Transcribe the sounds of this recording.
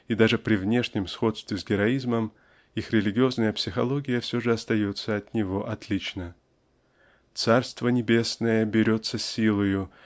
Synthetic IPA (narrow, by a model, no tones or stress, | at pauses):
id̪aʐɨpɾʲɪvnʲe̞ʂnʲɪmsxo̞t̪st̪vʲɪzɡʲɪɾɐizməm | ixɾʲɪlʲɪɡʲɪo̞znəjəpsʲɪxɐlˠo̞ɡʲɪjəfsʲo̞ʐɨɐst̪ɐjo̞t̪sːəɐt̪nʲɪvo̞ʔɐt̪lʲit͡ɕnə | t̪sarst̪vənʲɪbʲe̞snəjəbʲɪɾʲo̞t̪səsʲilˠəjʊ